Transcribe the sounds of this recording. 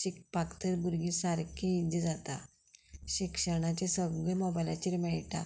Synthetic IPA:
ɕik̚pakt̪əɾbuɾɡisaɾkʰiid͡ʑid͡zat̪a̰ | ɕikʂəɳ̃at͡ɕesəɡɭemɔbajlat͡ɕiɾmɛɭʈa̰

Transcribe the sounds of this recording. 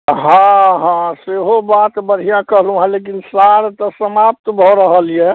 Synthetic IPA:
ɦãɦãseɦobat̪bəɽ̤ijãkəɦlũɦalek̬insaɾt̪ɔsəmap̚t̪bʱɔɾəɦəlijɛ

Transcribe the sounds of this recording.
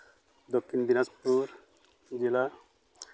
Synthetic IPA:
d̪okʰːind̪inaspuɾ | d͡ʒila

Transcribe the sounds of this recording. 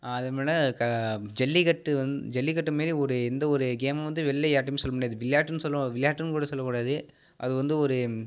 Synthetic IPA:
aɐðɐmeːlɐkɐd͡ʒɛlːikɐʈːɯɐd͡ʒɛlːikɐʈːɯmeːɾiɔɾɯɛnd̪ɐɔɾɯɡeːmɐ̃ʋɐnd̪ɯʋɛɭːɐjaːʈːɐmeːsɔlːɐmʊːɽijaːðɯʋɪɭjaːʈːɯnɯsɔlːɐʋɪɭjaːʈːɯnkuːɽɐsɔlːɐkːuːɽaːðɯ | ʔɐ̰ðɯʋɐnd̪ɯɔɾɯ

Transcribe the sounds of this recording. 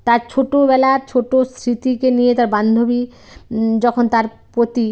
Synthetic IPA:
t̪aɾt͡ɕʰoʈoβɛlat͡ɕʰoʈost̪ʰɾit̪ikenijet̪aɾband̪ʱobi | d͡ʑɔkʰont̪aɾ | pɾot̪i

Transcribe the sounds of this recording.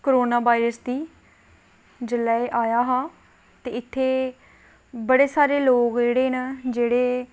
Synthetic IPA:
koɾoːnaːʋaːiɾəsd̪iː | d͡ʒəlaːeʔaːjaːɦaː | t̪eːɪt̪ʰːeː | bəɽeːsaːɾeːloːkd͡ʒeːɽeːnad͡ʒeːɽeː

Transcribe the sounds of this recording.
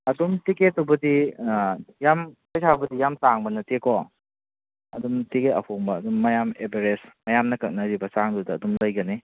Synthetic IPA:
ɐdumtiket̚ːubɐdi | jamkɐjsʰabɐdijamtaŋbɐnɐtekʰɔ | ɐ̰dumtiketɐ̰pʰoŋbɐːdumːɐjamebeɾesmɐjamnɐkɐk̚nɐɾibɐsaŋdudɐːdumlɐjɡɐni

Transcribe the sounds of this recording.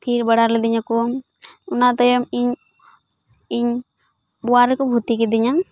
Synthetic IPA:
t̪ʰiɾbəɽaɾlɛd̪iɲaku | unat̪ɔjɔmiɲ | iɲ | buaɾɛkɔbʱut̪ikid̪iɲaŋ

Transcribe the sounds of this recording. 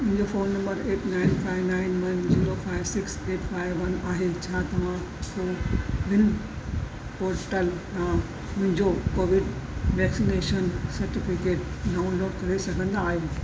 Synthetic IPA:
ʊ̃ɦɪ̃ɲd͡ʑofoːnːɐ̃mbəɾeːʈnaːɪnfaːɪʋnaːɪnʋɐnziːɾofaːɪʋsɪkseːʈfaːɪʋːɐnaːɦelt͡ɕʰat̪ɐʋã | soːʋɪn | poːɾʈəlsã | ʊ̃ɦɪ̃ɲd͡ʑokoːʋɪɖʋɛːksineːʃənsɐɾʈɪfɪkeːʈ | ɖaːʊ̃nloːɡkɐɾesɐɡʱə̃nd̪aːɦiũ

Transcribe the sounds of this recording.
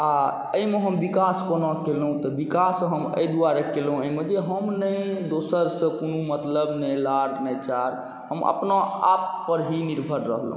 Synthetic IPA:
a | əimeɦəmbikaskonɔkelɦũt̪ɔbikasɦəmə̰jd̪uaɾekelɦũəiməd̪jeɦəmnəjd̪osəɾsə̃konumət̪ləbnəjlaɽnət͡ʃaɾ | ɦəmə̰pnaa̰pːəɾɦiniɾbʱəɾɾə̰ɦl̰ɦũ

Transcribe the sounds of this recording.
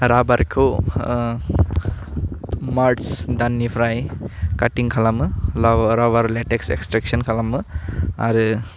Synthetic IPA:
ɾabaɾkʰo | maɾʈsd̪anːipʰɾajkaʈiŋkʰalamɯɾawaɾleʈeksḛksʈɾek̚sɔnkʰalamɯa̰ɾɯ

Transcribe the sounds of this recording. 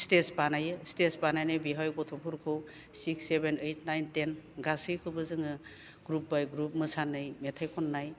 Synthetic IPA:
stesbanajɯstesbanajnɯjbiɦajɡɔtʰɔpʰuɾkʰɯw | siksːebenejt̚ʰnajntenɡasɯjkʰɯbɯzɯŋɯ | ɡ̥ɾup̚bajɡɾup̚mɯsanːɯjmetʰajkʰɔnːaj

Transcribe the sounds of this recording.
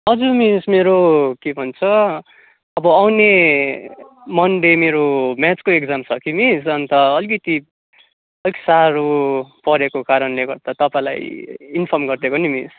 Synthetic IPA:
ʌd͡zumismeɾokebʱʌnt͡sʰʌ | ʌbʌawne | mʌnɖemeɾomjat͡skoekd͡zamsʰʌkimisʌnt̪ʌʌlkʌt̪i | ʌlki̥saɾupʌɾekokaɾʌnleɡʌrd̪at̪ʌpãla̰jinpʰʌrmɡʌrd̪ekonimḭs

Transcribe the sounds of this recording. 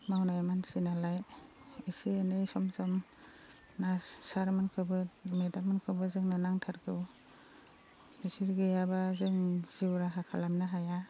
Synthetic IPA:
mawnajamansinalaj | isianɯjsɔmsɔm | nasaɾmɯnkʰɯbɯmedamɯnkʰɯbɯzɯŋnɯnaŋtʰaɾɡɯw | misiɾɡɯjabazɯŋz̥iwɾaɦakʰalamnaɦaja

